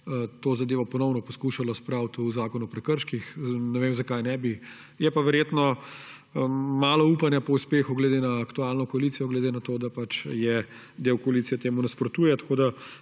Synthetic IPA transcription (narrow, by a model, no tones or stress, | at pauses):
t̪oːzɐd̪eːʋɔpɔnɔwnɔpɔskuːʃalɔspɾawt̪uzaːkɔnuɔpɾɛkəɾʃkixnɛʋemzakajnɛbi | jɛpaʋɛɾjeːt̪nɔ | maːlɔupanjapɔuspeːxuɡled̪enaːkt̪ualnɔkɔɐlit̪sijɔɡled̪enat̪od̪apat͡ʃjɛ | d̪ewkɔalit̪sijɛt̪eːmunaspɾɔt̪uːjɛt̪ɐ̥kod̪a